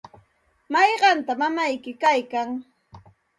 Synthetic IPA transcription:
mɑjɢɑnt̪amamajkɪkajkaŋ

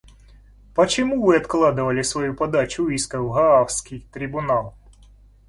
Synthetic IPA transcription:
pɐt͡ɕɪmuvɨɐt̪klˠɑd̪ɨvɐlʲɪsvʋɐjupɐd̪at͡ʃʊiskɐwɣɐawsʲkʲijt̪ɾʲɪbʊnalˠ

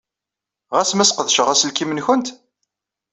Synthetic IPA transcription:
ʁæsmæsqəðʃəʁæsəlkimənçənt̪

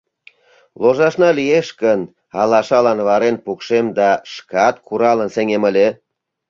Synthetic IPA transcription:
loʒɑʃnɑlijeʃkən | ɑlɑʃɑlɑnβɑɾenpukʃemd̪ɑʃkɑt̪̚kuɾɑlə̆nseŋemə̆lʲe

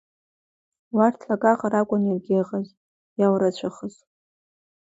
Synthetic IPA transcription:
wartʰlaɡaqʼaɾakʷʼʊnirɡʲeʁaz | jawɾat͡ɕʷʰaχəz

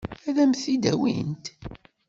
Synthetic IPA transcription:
æðæmθid̪æ̰wḭnt̪

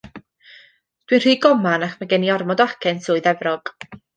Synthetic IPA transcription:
d̥wɨnr̥iːɡɔmanaχmaɡɛniɔrmɔdɔakʰɛnsʰʊːɨðɛvrɔɡ̥

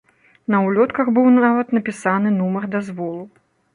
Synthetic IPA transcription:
nɐwlʲɔt̪kɐxbɨwnavɐt̪nɐpʲisanɨnumɐrd̪azvɔlˠu

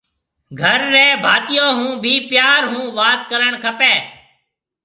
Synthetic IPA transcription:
ɡʱəɾːɛːbʱaːt̪ɪjõːɦũːbʱiːpjaːɾɦũːʋaːt̪kəɾəɳkʰəpeː

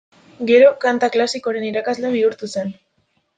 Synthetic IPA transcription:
ɡe̞ɾo̞kant̪aklasiko̞ɾe̞niɾakazleβ̞iuɾt̪use̞n

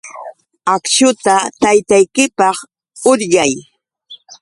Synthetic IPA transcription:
akʃʊt̪at̪ajt̪ajkɪpɑχ | ʊɾʎaj

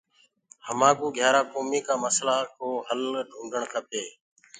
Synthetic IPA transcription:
həmãːkuːɡʱjaːɾaːkoːmiːkaːməslaːkʰoːɦəlɖʊ̃ːɖʱəɳkʰəpeː

